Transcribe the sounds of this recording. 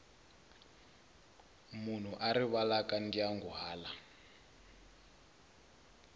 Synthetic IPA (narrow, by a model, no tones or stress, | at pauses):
mun̤uʔaɾiβalakandiaŋɡuɦaːla